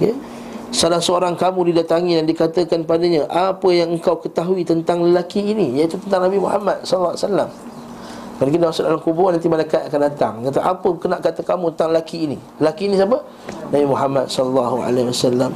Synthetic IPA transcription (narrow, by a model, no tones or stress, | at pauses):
ke | salasəoɾaŋkamũdidat̪aŋidandikat̪əkanpadaɲaʔapəjaŋəŋkawkət̪aɦuit̪ənt̪aŋləlakiːnijait̪ut̪ənt̪aŋnabimuha̰mat̪̚sɔləlːasalːam | kaləkinaasʊlʔolamkubʊnant̪imalakat̪akandat̪a̰ŋkat̪əʔapəkənaʔkat̪əkamũt̪ənt̪aŋləlakiːni | ləlakiːnis̬abə | nabimuɦamat̪̚sɔləlːaɦua̰laiwasalːam